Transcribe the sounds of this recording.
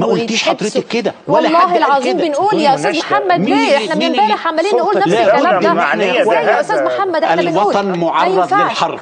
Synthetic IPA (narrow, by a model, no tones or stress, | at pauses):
mæʔult̪iːʃħɑd̪ˤɾet̪ɑkːed̪æwæɑlːælˤːaːdɦelʕɑzˤiːmbenʔuːljæʔost̪æːzmoħamːædeːʔeħnæbembæːɾeħʕamæliːnnːʔuːlnæluæænæjæʔost̪æːzmoħamːæd̪ʔenenwɑuːlˤɑnmoʕɑrˤːɑd̪elħɑrˤ